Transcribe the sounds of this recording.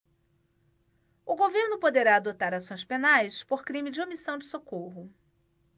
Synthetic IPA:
ʊɡoveɾnʊpod̪eɾaːd̪ot̪aɾasõj̃spenajspoɾkɾĩmɪd͡ʒɪomisɐ̃w̃d͡ʒɪsokoɦʊ

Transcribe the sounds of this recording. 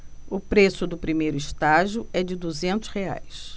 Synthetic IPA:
ʊpɾesʊd̪ʊpɾimejɾʊist̪aʒʊɛd͡ʒɪd̪uzẽnt̪ʊ̥shea̰js

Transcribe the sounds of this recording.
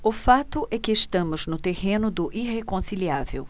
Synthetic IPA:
ʊfat̪ʊʔɛkɪːʃt̪ɐ̃mʊznʊt̪ehẽnʊd̪ʊʔiɦekõsiliavḛw

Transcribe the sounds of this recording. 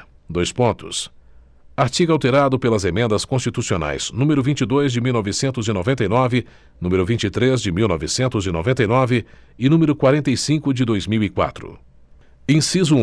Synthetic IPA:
d̪ojspõnt̪ʊ̰s | aɾt͡ʃiɡawt̪eɾad̪ʊpelɐzemẽnd̪ɐskõst͡ʃit̪usiona̰jz̥nũmeɾʊvĩnt͡ʃɪd̪ojzd͡ʒɪmiwnɔvɪsẽnt̪ʊzɪnovẽnt̪ɐjnɔvɪ | nũmeɾʊvĩnt͡ʃɪt̪ɾezd͡ʒɪmiwnɔvɪsẽnt̪ʊzɪno̰vẽnt̪ɐjnɔvɪ | ɪnũmeɾʊkwaɾẽnt̪ejsĩkʊd͡ʒɪd̪ojzmiwikwa̰t̪ɾʊ̰ | ẽsizu

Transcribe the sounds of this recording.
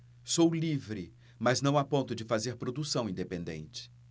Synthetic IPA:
sowlivɾɪ | mɐznɐ̃w̃apõnt̪ʊd͡ʒɪfazeɾpɾod̪usɐ̃w̃ĩnd̪epẽnd̪ḛ̃nt͡ʃɪ̥

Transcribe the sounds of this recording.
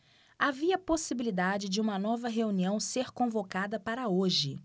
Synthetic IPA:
aviɐposibilid̪ad͡ʒɪd͡ʒɪũmɐnɔvɐɦeuniɐ̃w̃seɾkõvokad̪ɐpaɾɐoʒɪ

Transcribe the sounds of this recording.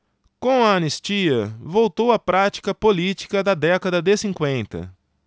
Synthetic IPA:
kõw̃ɐːnest͡ʃiɐvowt̪owɐpɾat͡ʃi̥kɐpolit͡ʃi̥kɐd̪ɐd̪ɛkɐd̪ɐd̪ɪsĩŋkwẽnt̪ɐ̰

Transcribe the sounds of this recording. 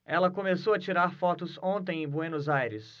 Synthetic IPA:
ɛlɐkomesowɐt͡ʃiɾaɾfɔt̪ʊzõnt̪ẽj̃ẽbwenozajɾɪs

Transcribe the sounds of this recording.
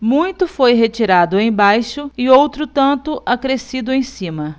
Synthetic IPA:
mũj̃t̪ʊfojɦet͡ʃiɾad̪ʊẽj̃bajʃʊɪowt̪ɾʊt̪ɐ̃nt̪ʊʔakɾesid̪ʊẽj̃sĩmɐ

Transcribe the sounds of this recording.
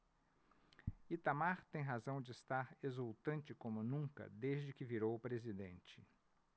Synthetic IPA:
it̪amaɾt̪ẽj̃ɦazɐ̃w̃d͡ʒɪːst̪aɾezuwt̪ɐ̃nt͡ʃɪkõmʊnũŋkɐ̰d̪ezd͡ʒɪkɪviɾowʊpɾezid̪ẽnt͡ʃɪ

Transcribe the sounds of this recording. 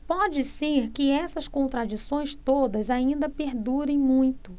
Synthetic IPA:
pɔd͡ʒɪseɾkɪɛsɐskõnt̪ɾad͡ʒisõj̃st̪od̪ɐzaĩnd̪ɐpeɾd̪uɾẽj̃mũj̃t̪ʊ

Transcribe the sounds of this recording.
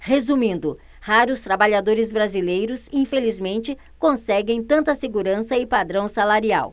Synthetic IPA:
hezumĩnd̪ʊ | haɾʊst̪ɾabaʎad̪oɾɪzbɾazilejɾʊsĩfelizmẽnt͡ʃɪ | kõsɛɡẽj̃t̪ɐ̃nt̪ɐseɡuɾɐ̃sɐɪpad̪ɾɐ̃w̃salaɾia̰w

